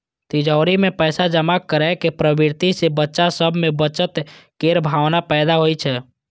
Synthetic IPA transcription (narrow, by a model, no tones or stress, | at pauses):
t̪ɪd͡ʒɔːɾimẽpɛːsad͡ʒəmakəɾɛkepɾəbɪɾt̪isebətːʃasəbʱmẽbət͡ʃət̪keɾbʱaːʋnapɛːd̪aɦoit͡ʃʰɛː